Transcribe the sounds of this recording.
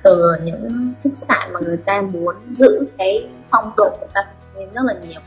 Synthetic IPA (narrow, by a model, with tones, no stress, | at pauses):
t̪ɨ˨˩˨ɲɨ̰˧˥ŋfɨ˦˥sɨ̥˦˥ha̰ː˧˨nmaː˨˩ŋɨ˨˩əjt̪aː˧mu˨˦ənzɨ̰˧˥kaː˨˦j | fa˧wŋ͡mɗo̰˧˨ku˧˩t̪aː˧t̪ʰə˨˧˩i˧nzə˦˥t̚laː˨˩ɲi˨˩əw